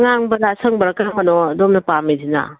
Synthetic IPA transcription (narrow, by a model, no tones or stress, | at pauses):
ŋaŋbɐdasɐŋbɐɾɐkɾɐmɐnɔdomnɐpamizina̰